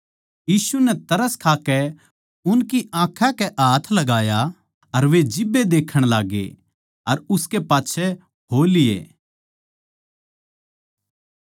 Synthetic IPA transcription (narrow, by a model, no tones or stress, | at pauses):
jiːsunɛt̪ɐɾəskʰaːkɛ | ʊnkiãːkʰãkɛʔaːt̪ʰlɐɡaːja | ɐɾʋed͡ʒɪbːed̪eːkʰəɽ̃laːɡḛ | ɐɾʊskepaːtːʃʰɛ | ɦoːlɪjḛː